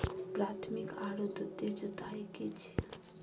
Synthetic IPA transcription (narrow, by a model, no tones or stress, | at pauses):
pɾat̪ʰmikaɾut̪ut̪ːed͡ʒut̪ajkit͡ʃʰi̥